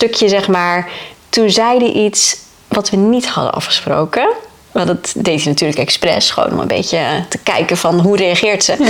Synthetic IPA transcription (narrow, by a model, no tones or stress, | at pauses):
tøkjəzɛχmaːɹtunzɛjdəʔits | ʋɑtʋənithɑ̰də̰nɑ̰fχə̥spro̰wkə | ʋldɑtdejtinatyːɹləkɛksprɛ̰sχəʋo̰wnɔ̰mə̰mbḛjcətəkɛjkəvɑnɦurejɑχɪːɹtsə